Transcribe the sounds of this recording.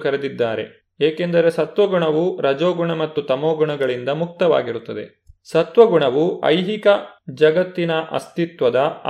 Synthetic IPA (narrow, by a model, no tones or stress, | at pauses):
kɐɾed̪id̪ːaːɾe̞̰ | eːkend̪ɐɾe̞sɐt̪ʋɐɡuɳɐʋuɾɐd͡ʒoːɡuɳɐmɐt̪ːut̪ɐmoːɡuɳɐɡɐɭind̪ɐmuk̚t̪ɐʋa̰ːɡiɾut̪ːɐd̪e̞̰ | sɐt̪ʋɐɡuɳɐʋuɐ̰jɦikɐd͡ʒɐɡɐt̪ːinɐʔɐ̰st̪it̪ʋɐd̪ɐ